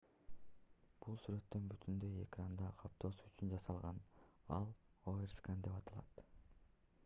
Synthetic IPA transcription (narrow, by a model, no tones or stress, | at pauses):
b̥ulˠsyɾø̞t̪ːø̞nbyt̪ʰynd̪ø̞je̞krand̪ɑqʰɑp̚t̪ʰoːsuyt͡ʃynd͡ʒɑsɑlˠʁɑnɑlˠoerskand̪e̞pɑt̪ʰɑlˠɑt̪